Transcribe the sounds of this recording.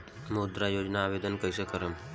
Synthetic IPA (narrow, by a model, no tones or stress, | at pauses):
mod̪ɾajod͡ʒnaːʋed̪ənkəjsəkəɾəm